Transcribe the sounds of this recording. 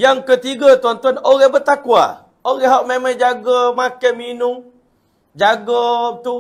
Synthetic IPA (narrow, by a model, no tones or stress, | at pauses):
jaŋkət̪iɡat̪uant̪uanoɣɛhbət̪akua̰ | oɣɛhɦaʔmemad͡ʒaɡamakɛminʊm | d͡ʒaɡət̪u